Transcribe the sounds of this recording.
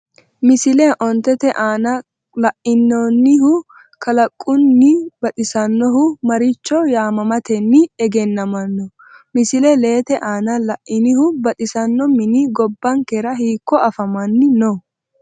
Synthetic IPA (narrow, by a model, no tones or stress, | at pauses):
mɪsɪlɛʔɔnt̪ɛt̪ɛʔaːnɐ | lɐʔɪnːonːɪhʊ | kɐlɐkʼːʊnːɪbɐt̪ʼɪsɐnːɔɦʊmɐɾɪt͡ʃːɔjaːmɐmɐt̪ɛnːɪɛɡɛnːɐmɐnːɔ | mɪsɪlɛle̞ːt̪ɛʔaːnɐlɐʔʔɪnɪhʊbɐt̪ʼɪsɐnːɔmɪnɪɡɔbːɐŋkɛɾɐhiːkːɔʔɐfɐmɐnːɪnɔ